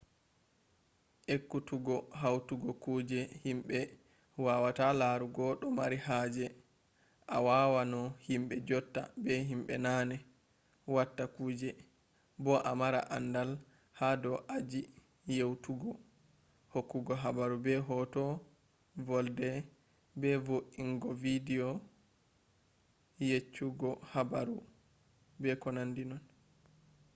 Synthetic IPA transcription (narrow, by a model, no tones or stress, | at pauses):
ʔekːutuɡɔɦawtuɡɔkuːd͡ʒɛhimɓɛ | wawatalaɾuɡɔɗɔmaɾihaːd͡ʒɛ | ʔawawanɔhimɓɛd͡ʒɔtːa̰bɛɦimɓɛ̰naːnɛ | watːakuːd͡ʒɛ | bɔʔamaɾa̰ʔa̰ndal | hadɔʔad͡ʒi | jewtuɡɔ | hokːuɡɔɦabaɾubɛɦɔtɔ | vɔldɛ | bɛvoʔiŋɡɔvidiɔ | jet͡ʃːuɡɔhabaɾu | bɛkɔnandinɔn